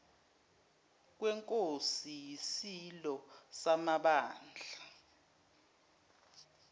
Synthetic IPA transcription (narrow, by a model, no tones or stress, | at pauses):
k̬wɛŋkʼosijisilɔsamaɓaːnd͡ɮʱa